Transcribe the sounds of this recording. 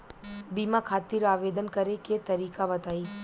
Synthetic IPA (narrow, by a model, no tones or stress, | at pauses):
bimãkʰat̪iɾaʋed̪ənkəɾeket̪əɾikaʋət̪ai